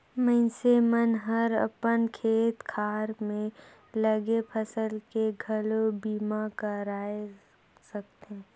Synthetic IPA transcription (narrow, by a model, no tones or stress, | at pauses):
mə̃nsemənɦəɾə̰pənkʰeːt̪kʰaːɾmẽ | ləɡepʰəsəlkeɡʱəlobiːmakəɾaːe | sək̚t̪e